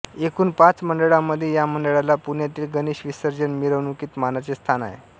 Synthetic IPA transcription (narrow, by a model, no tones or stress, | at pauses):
ekuːnpat͡sməɳɖəɭamːəd̪ʱːjejaməɳɖəɭalapunjat̪iːlɡəniːɕʋisəɾd͡zənmiɾəʋnukiːt̪manat͡sest̪ʰana̰ɦḛ